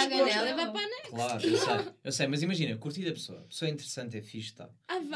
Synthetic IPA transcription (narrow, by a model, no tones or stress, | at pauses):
aɣɐ̃ɛlˠɛvapanɐklˠaɾesɐjewsejmɐzimɐʒinɐkuɾt̪iðɐpsoɐpsoɐĩnt̪ɨɾɨsɐ̃nt̪ɛfiʃt̪a̰ | av